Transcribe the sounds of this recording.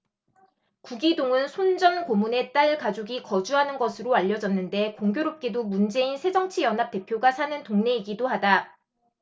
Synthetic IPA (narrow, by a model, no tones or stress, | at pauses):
kuɡidoŋɯnsʰond͡ʑʌnkomune̞t͈aɭkad͡ʑoɡikʌd͡ʑuɦanɯnɡʌsʰɯɾoaʎːʌd͡ʑʌnːɯnde̞koŋɡjoɾop̚k͈e̞domund͡ʑe̞insʰe̞d͡ʑʌŋt͡ɕʰijʌnɦap̚t͈e̞pʰjoɡasʰanɯntoŋne̞iɡidohada